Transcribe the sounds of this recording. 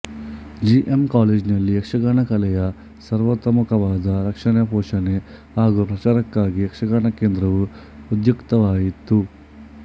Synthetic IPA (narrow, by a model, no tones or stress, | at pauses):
d͡ʒiʔemkaːleːd͡ʒnɐlːiekʂɐɡaːɳɐkɐlɛjɐ | sɐɾʋɐt̪ːɐmukɐʋaːd̪ɐɾɐkʂɐɳjɐpɔːʃɐne | ɦaːɡupɾɐt͡ʃaːɾɐkːaːɡiekʂɐɡaːɳɐkeːnd̪ɾɐʋu | ud̪jukt̪ɐʋaːjit̪ːu